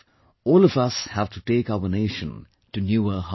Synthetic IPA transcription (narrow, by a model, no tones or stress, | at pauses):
ɔːlʌvʌshæv̥tuteːkaʊəneɪʃə̃n | tɨnjuəɦ